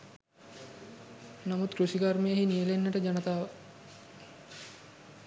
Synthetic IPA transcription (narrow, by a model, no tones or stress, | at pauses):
namut̪kɾusiɡaɾmejəɦinijəlenːəʈəd͡ʒanət̪aːʋə